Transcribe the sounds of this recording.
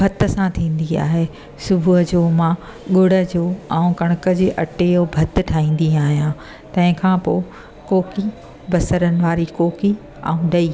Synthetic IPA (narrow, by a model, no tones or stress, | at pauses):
bʱɐt̪̆sãt̪ʰĩːn̆d̪ia̰ːɦe | sʊbʱuɦəd͡ʑoːmãː | ɠʊɽ̤ə̆d͡ʑoːãũkɐɽ̃ʊkə̆d͡ʑeːʔɐʈejobʱɐt̪̆ʈʰaːĩːn̆d̪iaːɦijã | t̪ɐ̃ɦɪ̃kʰãːpoː | koːki | bɐsəɾənɪ̆ʋaːɾikoːki | a̰ũɗɐiː